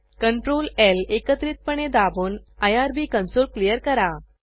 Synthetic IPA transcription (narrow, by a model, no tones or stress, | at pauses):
kəɳʈɾolelekət̪ɾiːt̪̚pəɳ̃ed̪abuːnajaɾbiːkənsolklijəɾkəɾa